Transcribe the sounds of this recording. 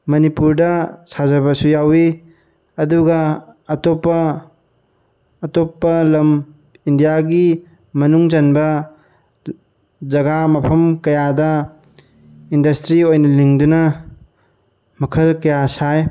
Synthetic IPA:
mɐnipuɾdɐsazɐβɐsujawi | ɐduɡɐːtopːɐ | topːɐlɐm | indijaɡi | mɐnuŋd͡ʒɐnbɐ | zɐɡamɐpʰɐmkɐjadɐ | indɐstɾiojnɐliŋdunɐ | mɐkʰɐlkɐjasaj

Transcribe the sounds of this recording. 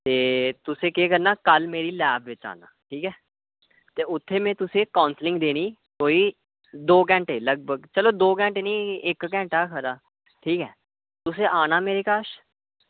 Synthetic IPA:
t̪eːt̪ʊsẽːkeːkəɾnaːkəlmeːɾiːlɛːpʰʋɪt͡ʃa̰ːna̰ːʈʰiːkɛː | t̪eːʊt̪ʰːeːmẽːt̪ʊsẽːkãːnslɪ̃ŋɡd̪eːniːkoːiː | d̪oːk̬ɛ̃ːɳʈeːləɡ̚bəɡt͡ʃəloːd̪oːk̬ɛ̃ːɳʈenĩːɪkkɛ̃ːɳʈaːkʰəɾaː | ʈʰiːkɛː | t̪ʊsẽːʔaːnaːmeːɾeːkaːʃ

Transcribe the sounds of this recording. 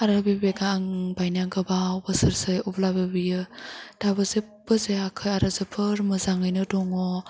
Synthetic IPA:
aɾabebeɡaːŋbajnaŋɡɯbabəsɯɾsɯjɔblabebɯjɯd̥abɯze | bɯzeakʰɯjaɾɯzɯpʰɯɾmɯzaŋɯjnɯdɔŋɔ

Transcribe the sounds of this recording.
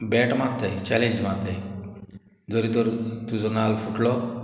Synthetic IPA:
bɛʈmat̪ːɛjt͡ɕɛlẽɲd͡ʑm̤at̪ɛ | d͡zɔɾit̪ɔɾt̪ud͡zɔnalfuʈlɔ

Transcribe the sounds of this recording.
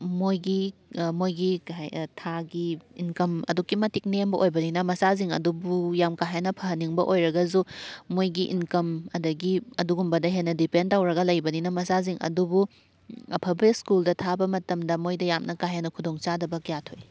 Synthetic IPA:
mojɡimojɡitʰaɡiinkɐmɐ̰dukːimɐtik̚nembɐʔojbɐninɐmɐsaziŋɐ̰dubujamkaɦenɐpʰɐɦɐnːiŋbɐʔojɾɐɡɐzumojɡiʔḭnkɐmɐdɐɡiɐduɡumbɐdɐɦenːɐdipentawɾɐɡɐlɐjbɐninɐmɐsaziŋʔɐ̰dubu | ɐpʰɐblik̚skuldɐtʰabɐmɐtɐmdɐmojdɐjamnʔɐkaɦenɐkʰudoŋt͡ʃadɐbɐkijatʰoj

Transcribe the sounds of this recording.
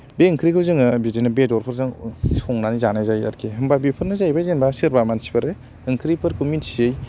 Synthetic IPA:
beɯŋkʰɾikʰɯzɯŋɯbidinɯbedɔɾpʰɯɾzɯŋsɔŋnanizanazaja̰ɾkʰeɦɯmbabipʰɯɾnɯzajbazenbasɯɾbamansi̥pʰaɾe | ɯŋkʰɾipʰɯɾkʰuminsiɯj

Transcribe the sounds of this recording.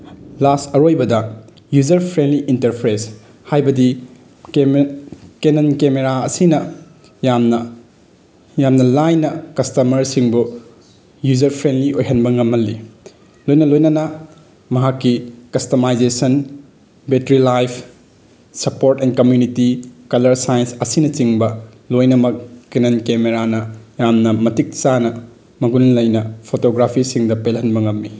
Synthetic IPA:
lastɐɾojbɐdɐ | jud͡ʒɐɾpʰɾendliʔintɐɾpʰɾes | hajbɐdi | kenɐnkemeɾaɐsinɐ | jamnɐ | jamnɐlajnɐkɐstɐmɐɾsiŋbu | jud͡ʒɐɾpʰɾendliojɦɐnbɐŋɐmːɐlːi | lojnɐlojnɐnɐ | mɐɦakːikɐstomajd͡ʒesɐn | betɾilajpʰ | sɐpoɾtɛnkɐmjunitikɐlɐɾsajensɐsinɐt͡ʃiŋbɐ | lojnɐmɐk̚kinɐnkemeɾanɐjamnɐmɐtik̚t͡ʃanɐ | mɐɡunlɐjnɐpʰotoɡɾapʰisiŋdɐpelɦɐnbɐŋɐmːi

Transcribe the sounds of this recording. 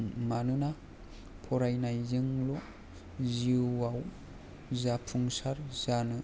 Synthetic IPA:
manɯna | pʰɔɾajnajzɯŋlɔ | ziaw | zapʰuŋsaɾzanɯ

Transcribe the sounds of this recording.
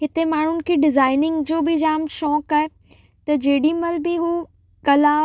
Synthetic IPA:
ɦɪt̪emaːɳ̤ʊnɪ̆kʰeːɖɪzaːɪnɪ̃ŋɡd͡ʑoːbɪd͡ʑaːmʃɔːkaːe | t̪ɐd͡ʑeːɽimɐlbɪɦuː | kɐlaː

